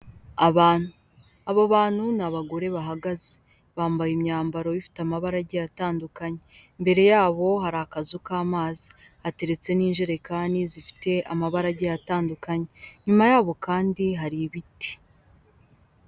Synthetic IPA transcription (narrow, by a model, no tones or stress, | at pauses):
aβaːn̥hu | aβaβaːn̥hunaβaɡo̞ɾe̞βaɦaɡaze̥ | βaːmbajimɲaːmbaɾo̞βifi̥tamaβaɾaɟejataːndukaɲembe̞ɾe̞jaːβo̞ɦaɾaːkazukaːmaːzi̥ | hate̞ɾe̞t͡se̞niːnʒiɾe̞kaːndizifi̥te̞ʔamaβaɾaɟejataːndukaɲe̞ɲumajaːβo̞kaːndiɦaɾiβiti̥